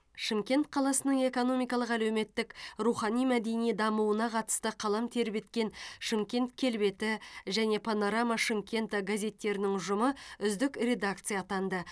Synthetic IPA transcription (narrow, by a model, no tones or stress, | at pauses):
ʃəmkʲe̞nt̪̚qʰɑlˠɑsənəɴe̞ko̞no̞mijkɑlˠəqælæwme̞t̪ːɪkruχɑnijmæd̪e̞nijd̪ɑmuənɑqʰɑt̪ə̥st̪əqʰɑlˠɑmt̪ʰe̞ɾɪpe̞t̪kʲe̞nʃəmkʲe̞nt̪kʲʰe̞lbe̞t̪ɪʒæne̞pʰano̞ɾamaʃəmkʲe̞nt̪aɡazʲe̞t̪ːe̞ɾɪnɪŋʒʊməʏzd̪ɪkre̞d̪ak̚t̪sɨjat̪ɑnd̪ə